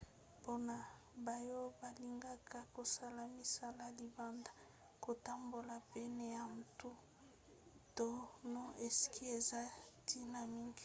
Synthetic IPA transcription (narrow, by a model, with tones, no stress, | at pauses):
po˦na˨ | ba˨jo˦ba˨li˦ŋɡa˦ka˦ko˨sa˦la˨mi˨sa˦la˨li˨ba˦nda˨ | ko˨ta˦mbo˨la˨pɛ˦nɛ˨ja˨n̩˨tu˦ | to˦no˦e˨si̥˨ki˦e˨za˦ti˦na˨mi˦ŋɡi˨